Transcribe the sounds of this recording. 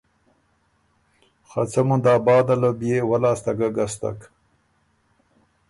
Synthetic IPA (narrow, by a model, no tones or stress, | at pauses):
xat͡samund̪ɑːbɑːd̪alobjewalaːst̪aɡaɡast̪a̰k